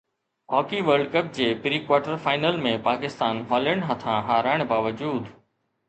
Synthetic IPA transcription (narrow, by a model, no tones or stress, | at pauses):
ɦɔːkiʋəɾɖkəp̚d͡ʑeːpɾiːkʋaːɾʈəɾfaːɪnəlmẽpaːkɪst̪aːnɦɔːləɳ̃ɽɦɐt̪ʰãɦaːɾaːɪɽ̃baːʋəd͡ʑuːd̪